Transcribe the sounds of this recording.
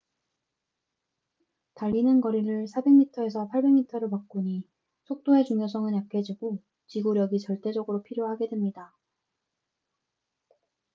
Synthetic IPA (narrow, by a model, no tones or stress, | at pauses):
taʎːinɯnkʌɾiɾɯɭsʰabe̞ŋmitʰʌe̞sʰʌpʰaɭbe̞ŋmitʰʌɾɯɭpak̚k͈uɲi | sʰok̚t͈oe̞t͡ɕuŋjosʰʌŋɯnjakʰe̞d͡ʑiɡo | t͡ɕiɡoɾjʌɡit͡ɕʌɭt͈e̞d͡ʑʌɡɯɾopʰiɾjoɦaɡe̞dwemɲida